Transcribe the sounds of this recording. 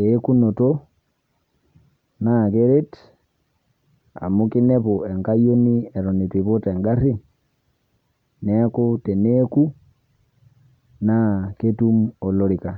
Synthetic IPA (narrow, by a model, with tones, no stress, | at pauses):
e˦ku˦no˨to | nake˦ɾe˦t | a̰˨mu˦ki˦ne˦βo˨e˨ŋka˦jo˦ni˦ɛ˨ɾo˨ni˨twi˨βo˦tɛ˨ŋɡa˦ɾi˦ | nɛ˦kute˨neku˦ | na˦ke˦tumo˨lo˦ɾika˨